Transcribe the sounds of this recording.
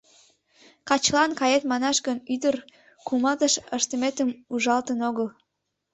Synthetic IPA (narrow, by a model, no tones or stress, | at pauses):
kɑt͡ɕlɑnkɑjet̪mɑnɑʃɡənyd̪ər | kumɑt̪əʃəʃt̪əmet̪əmuʒɑlt̪ənoɣəl